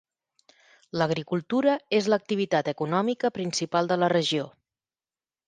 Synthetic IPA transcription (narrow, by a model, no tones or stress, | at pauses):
ləɣ̞ɾikulˠt̪uɾəezlək̚t̪iβ̞it̪at̪əkunɔmikəpɾinsipalˠd̪ələrəʒio